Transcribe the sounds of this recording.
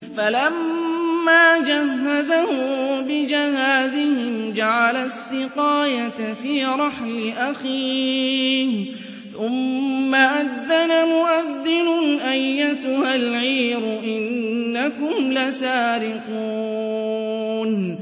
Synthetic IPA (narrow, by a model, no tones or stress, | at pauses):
falamː | aːd͡ʒaɦːazahʊbɪd͡ʒahaːzɪhɪmd͡ʒaʕalasːɪqɑːjafiːɾˤɑħlɪʔaxiː | h | θʊmːaʔaðːanamʊʔaðːɪnʊʔajːat̪ʊhalʕiːɾʊʔɪnːakʊmlasaːɾɪquː | n